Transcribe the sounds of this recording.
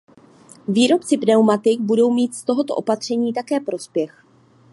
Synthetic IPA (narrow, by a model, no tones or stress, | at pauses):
viːɾo̞pt͡sɪpnɛwmat̪ɪk̚budo̞wmiːt̪st̪o̞ɦo̞t̪o̞ʔopat̪r̝̥ɛɲiːt̪akɛːpɾo̞spjɛx